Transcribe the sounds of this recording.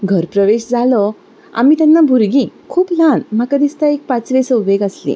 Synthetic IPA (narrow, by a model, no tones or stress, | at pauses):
ɡʱəɾpɾəʋeɕd͡zʱalɔ | a̰miːt̪janːabʱuɾɡĩkʰuːplanm̤akad̪ist̪aek̚pat͡sʋesəuʋeɡəslḭ̃